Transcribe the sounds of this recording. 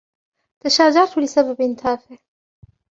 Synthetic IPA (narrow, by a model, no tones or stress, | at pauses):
t̪aʃaːd͡ʒɑɾˤt̪ulɪsababɪnt̪ʰaːfɪʕ